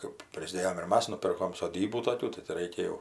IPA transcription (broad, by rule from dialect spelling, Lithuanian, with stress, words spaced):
kɜp ˈpʲrʲɪzʲdʲeːjɛm ɪr ˈmɐs nʊˈpʲɪrkoːm soːˈdʲiːbuː toːˈkʲuː tɐɪ tʲɪ ˈrʲɛɪkʲɛ jɛʊ